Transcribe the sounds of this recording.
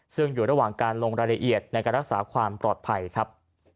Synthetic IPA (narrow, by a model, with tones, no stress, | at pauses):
sɯ˥˩ŋjuː˨˩ɾa˧waː˨˩ŋkaː˧nloː˧ŋɾaː˧la˧ʔi˨˩ət̪̚na˧jka˧ɾa˦˥k̚saː˩˦kʰwaː˧mpɾɔː˨˩t̪̚pʰa˧jkʰa˦˥p̚